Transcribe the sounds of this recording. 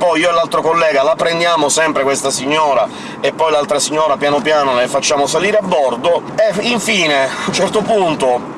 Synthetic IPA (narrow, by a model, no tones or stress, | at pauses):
pːɔjiːoelːalt̪ɾokolːɛːɡalapɾend̪jaːmosɛmpɾekwest̪asiɲːɔːɾa | epːɔjlalt̪ɾasiɲːɔːɾapjanopjaːnolefat͡ʃːaːmosaliːɾeabːɔrd̪oeiɱfiːneaunt͡ʃɛrt̪opunt̪o